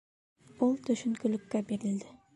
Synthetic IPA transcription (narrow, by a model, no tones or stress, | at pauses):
ulˠt̪ʰɵʃʏnkʰɵlɪkʲːabeɾɪld̪ɪ